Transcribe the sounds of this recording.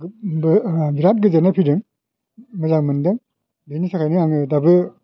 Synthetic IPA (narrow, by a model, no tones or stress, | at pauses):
bɡiɾat̚ɡɯzenapʰidɯŋ | mɯzaŋmɯndɯŋ | benisakʰajnɯaŋɯdabɯ